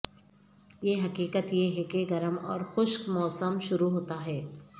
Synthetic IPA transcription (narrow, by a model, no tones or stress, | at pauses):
jeːɦɐkiːkət̪jeɦɛkeɡɐɾəmɔ̰ːɾxʊʃkmɔːsəmʃʊɾuɦoːt̪aɦɛː